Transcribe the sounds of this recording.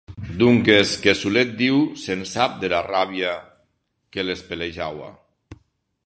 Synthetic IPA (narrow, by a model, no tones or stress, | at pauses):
d̪uŋkeskesulet̪̚d̪iwsensap̚d̪elaraβja | kelespeleʒawa̰